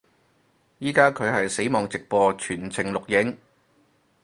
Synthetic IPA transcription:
jiː˥kaː˥kʰɵ˨˧ɥɦɐ˨jse˨˥jmɔː˨ŋt͡sɪ˨k̚pɔː˧t͡ʃʰyː˨˩nt͡sʰɪ˨˩ŋlʊ˨k̚jɪ˨˥ŋ

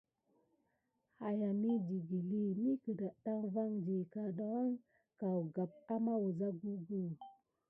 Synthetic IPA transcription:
ha˨ja˨mi˦d͡ʒi˨ɡi˨li˦mi˦kə˨da˨ɗa˦ŋva˦ŋd͡ʒi˨ka˨ɗa˦wa˦ŋ | ka˨wɡa˨p̚a˦ma˦wu˨za˦ɡu˦ɡu˦˨

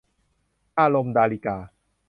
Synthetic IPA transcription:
ʔaː˧lo˧md̪aː˧li˧kaː˧

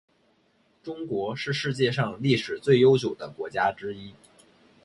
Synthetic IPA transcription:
ʈ͡ʂʊ˥ŋkwɔ˧˥ʂɻ̩˥˧ʂɻ̩˥˧t͡ɕjɛ˥˧ʂɑ˥˧ŋli˥˩ʂɻ̩˨˩t͡swe˥˩ɪjo˥ʊt͡ɕjo˨˩ʊd̪ə˦kwɔ˧˥t͡ɕja˥ʈ͡ʂɻ̩˥i˥

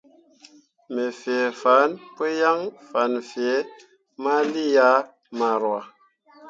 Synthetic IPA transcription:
me˨fe˨fa˨˦npe˦ja˦ŋfa˨˦nfe˨˦ | ma˦li˦ja˦ | ma˨ɾwa˨

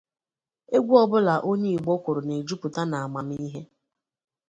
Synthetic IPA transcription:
e˦ɡʷu˦ɔ˦bʊ˦la˨ʔo˦ɲe˦i˨ɡ͡bɔ˦kʷʊ˨ɾʊ˨ne˨d͡ʒu˦pʊ˨ta˦na˨a˨ma˨m˦i˦ɦe˦

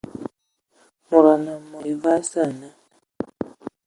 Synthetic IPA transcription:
mu˨ɾa˨na˨mɔ˨va˦sa˦˨na˨

